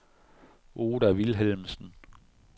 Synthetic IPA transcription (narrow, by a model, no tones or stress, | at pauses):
ʔo̝ːdæʋilɦelmsn̩